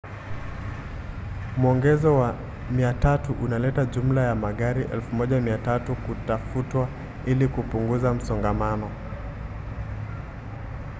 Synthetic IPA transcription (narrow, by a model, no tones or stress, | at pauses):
muɔŋɡɛzɔwa | miatatuʔunalɛtaʄum̩lajamaɠaɾiʔɛ̰lfumɔʄamiatatukutafutwa | ilikupuŋɡuzam̩sɔŋɡamanɔ